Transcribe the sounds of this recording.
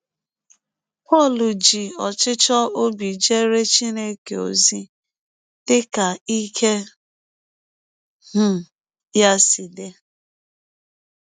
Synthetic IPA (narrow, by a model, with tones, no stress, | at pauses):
pɔ˦˨lu˨d͡ʒi˨ɔ˨t͡ʃɪ˦t͡ʃɔ˦o˦bi˨d͡ʒe˦ɾe˦t͡ʃi˦ne˦ke˨o̰˨zi˦ | d̥ɪ˦ka˨i˦kʰe˦ | h̩˦ | ja˦si˨de˦